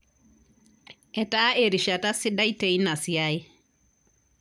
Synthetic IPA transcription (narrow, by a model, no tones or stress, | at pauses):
ɛtaʔeɾiʃatasidajteinasijai